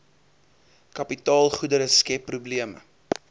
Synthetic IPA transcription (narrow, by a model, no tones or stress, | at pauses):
kɐpitɑːlˠχudəɾəskɛpːrubliəmə̰